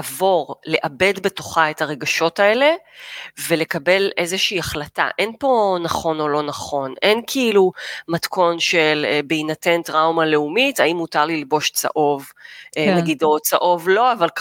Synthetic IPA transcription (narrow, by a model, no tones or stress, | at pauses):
avo̞ʁle̞ʔabe̞dbe̞to̞χae̞taʁe̞ɡaʃo̞tae̞le̞ve̞le̞kabe̞lʔe̞zeʃiːaχlata̰ʔe̞npo̞naχo̞no̞lo̞naχo̞nʔe̞nkʰiilumatko̞nʃelbeinate̞ntʁawmale̞umitaimːutaʁlilbo̞ʃt͡sa̰ʔo̞vnaɡido̞t͡saʔo̞vlo̞aval